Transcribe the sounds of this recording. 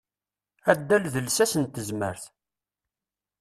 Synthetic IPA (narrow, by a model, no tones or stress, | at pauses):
æd̪ːælðəlsæsənt̪ːəzmə̰ɾθ